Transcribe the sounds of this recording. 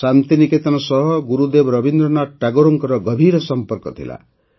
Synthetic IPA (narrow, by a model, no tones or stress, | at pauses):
sant̪iniket̪ɔnɔsʌɦɔɡuɾud̪ebɾʌbind̪ɾɔnaʈaɡoɾoŋkɔɾɔɡʌbʱiɾɔsʌmpɔɾkɔt̪ʰḭla̰